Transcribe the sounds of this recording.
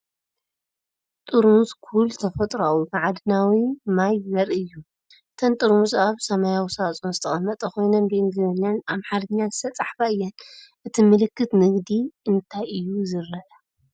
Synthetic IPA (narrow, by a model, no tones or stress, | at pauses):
t̪ʼɨɾmuzkʰuult̪ʰɐfɐt̪ʼɾawumaʕad̪ɨnawimajzɐɾɨjːu | ʔɨt̪ʰɐnt̪ʼɨɾmuzaβsɐmajawisat͡sʼonzɨt̪ʰɐxʼɐmːɐt̪ʼɐkʰo̞jnɐnbɨɨŋɡzɨzɐɲːanamħaɾɐɲːazɨsʰɐt͡sʼaħfaɨjːɛnʔɨt̪ʰimɨlɨkːɨt̪nɨɡd̪iʔɨnt̪ʰajɨjːuzɨɾːɐʔɐ